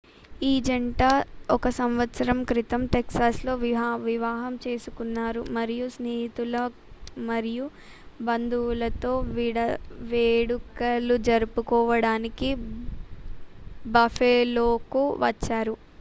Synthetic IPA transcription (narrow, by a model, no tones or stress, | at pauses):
iːd͡ʒɐɳʈaːɔkɐsɐmʋɐt̪sɐɾɐmkɾit̪ɐmʈeksaːslo̞ːʋiʋiʋaːɦɐmt͡ʃe̞ːsukunːaːɾumɐɾijusneːɦit̪ulɐ | mɐɾiju | bɐnd̪ulɐt̪o̞ːʋiːɽɐʋeːɽukɐlud͡ʒɐɾupukɔːʋɐɽaːniki | bɐfʰeːloːkuʋɐt͡ʃːaːɾu